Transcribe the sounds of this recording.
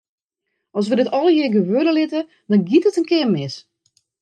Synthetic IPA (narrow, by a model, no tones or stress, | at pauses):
ɔs̬ʋədɪtɔlˠjɪɡəʋødəlɪtə | dɔnɡitətənkɪərmɪs